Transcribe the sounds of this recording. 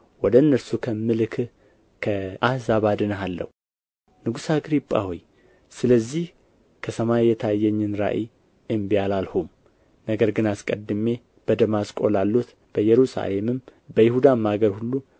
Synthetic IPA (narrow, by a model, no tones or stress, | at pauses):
wɔd̪əɨnːəɾsukʰəmːɨlɨkʰ | kʰəʔahzaβad̪ɨnəɦalːə̰hu | nɨɡusaɡɾipʼːa̰hoj | sɨləzːih | kʰəsəmajjːɛt̪ʰajːɛɲːɨnɾa̰ʔi | ɨmbijalalhum | nəɡəɾɡɨnaskʼəd̪ɨme̞ | b̥əd̪əmaskʼo̞lalːut̪ | b̥əjɛɾusa̰le̞mɨmbəjɪhud̪amaɡəɾhulːu